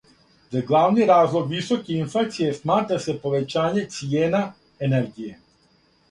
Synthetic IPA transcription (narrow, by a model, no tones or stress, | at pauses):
d̪aɡlˠavniɾazlˠɔɡvisɔkiinflat̪sijɛsmat̪ɾasɛpɔʋɛt͡ʃaːɲɛt̪sijɛna | ɛnɛɾɡijɛ